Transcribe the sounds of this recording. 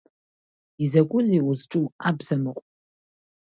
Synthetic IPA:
izakʷʼʊziuzʈ͡ʂʼuabzamɨqʷʼ

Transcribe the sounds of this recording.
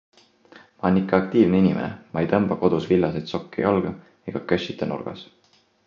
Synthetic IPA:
mɑonikˑːɑɑk̚t̪iːvneinʲimenḛmɑejt̪ɤmb̥ɑko̞d̪̥usvilːɑsejt̪so̞kːḭjɑlɡ̥ɑ | eɡ̥ɑkøɕit̪ːˑenṵrɡ̥ɑ̰s

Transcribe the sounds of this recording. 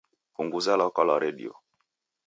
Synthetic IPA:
fuŋɡuzalɔkɔlɔɾɛɗḭɔ̰

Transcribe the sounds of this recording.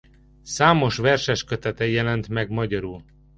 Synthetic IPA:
saːmo̞ʃvɛrʃɛʃkøt̪ɛt̪ɛjɛlɛnt̪mɛɡmɒɟɒɾul

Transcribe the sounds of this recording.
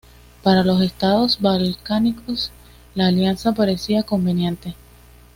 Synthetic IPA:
paɾalo̞se̞st̪aðo̞sbalkanikʰo̞s | laːljansapaɾe̞siako̞mbe̞nje̞nt̪e̞

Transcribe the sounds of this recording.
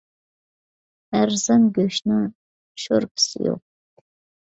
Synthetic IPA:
æɾzɑnɡʲøʃnɪŋ | ʃoɾpʰɪ̥sɪ̰jo̰q̚

